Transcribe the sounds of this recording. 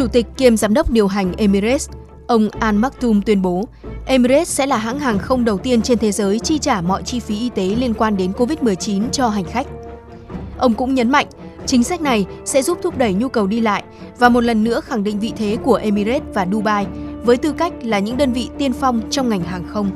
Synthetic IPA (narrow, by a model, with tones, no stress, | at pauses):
t͡ɕu˧˩t̪ï˨˩k̟̚ki˧əmzaː˨˦mɗə˦˥wk͡p̚ɗi˨˩əwɦa˨˩jŋ̟ʔe˧mi˧ɾe˦˥s | ʔə˧wŋ͡mʔaː˧nmaː˦˥k̚t̪u˧mt̪wi˧ənɓo˨˦ʔe˧mi˧ɾe˦˥sɛ̰˧˥laː˨˩ɦa̰ː˧˥ŋɦaː˨˩ŋxə˧wŋ͡mɗə˨˩wt̪i˧ənt͡ɕe˧nt̪ʰe˨˦zəː˨˦jt͡ɕi˧t͡ɕaː˧˩mɔ̰˧˨jt͡ɕi˧fi˨˦ʔi˧t̪e˨˦li˧ənkwaː˧nɗe˨˦nko˧vi˦˥t̚mɨ˨˩əjt͡ɕi˨˦nt͡ɕɔ˧ɦa˨˩jŋ̟xa˦˥jk̟̚ | ʔə˧wŋ͡mkʊ̰˧˥ŋ͡mɲə˨˦nma̰˧˨jŋ̟t͡ɕï˨˦ŋ̟sa˦˥k̚na˨˩jsɛ̰˧˥zu˦˥p̚t̪ʰʊ˦˥p̚ɗə˧˩jɲu˧kə˨˩wɗi˧la̰ː˧˨jʔvaː˨˩mo˨˩t̚lə˨˩nːɨ̰˧˥əxa˧˩ŋɗḭ˧˨ŋ̟vḭ˧˨t̪ʰe˨˦ku˧˩əʔe˧mi˧ze˦˥t̚vaː˨˩ɗu˧ɓaː˧jvəː˨˦jt̪ɨ˧ka˦˥jk̟̚laː˨˩ɲɨ̰˧˥ŋɗəː˧nvḭ˧˨t̪i˧ənfɔ˧wŋ͡mt͡ɕɔ˧wŋ͡mŋa˨˩jŋ̟ɦaː˨˩ŋxə˧wŋ͡m